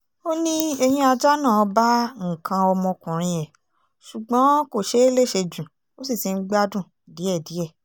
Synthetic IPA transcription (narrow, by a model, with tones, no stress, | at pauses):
o˦nĩ˦ɛ˧j̃ĩ˧a˧d͡ʒa˦nãː˦˨˧ba˦ŋ̩˨kʰã˧ɔ˧mɔ̃˧kũ˨ɾ̃ĩ˧ɛ˨ | ʃu˨ɡ͡bã˨˦ko˦˨ʃe˨˦e˦le˦˨ʃe˧d͡ʒũ˨ | o˦si˦˨ti˨˧n̩˦ɡ͡ba˦dũ˦˨ | di˨˦ɛ˦˨di˨˦ɛ˦˨